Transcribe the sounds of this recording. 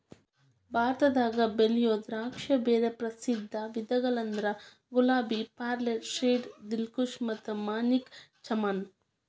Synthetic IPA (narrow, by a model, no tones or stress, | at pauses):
bʱaːɾt̪ɐd̪aːɡɐbelijoːd̪ɾaːkʂɐbeːɾepɾɐsid̪ʱːɐʋid̪ɐɡɐɭɐnd̪ɾɐ | ɡulaːbipaːɾleɾʃeːɖd̪ilkuʂmɐt̪ːumaːnikt͡ʃɐman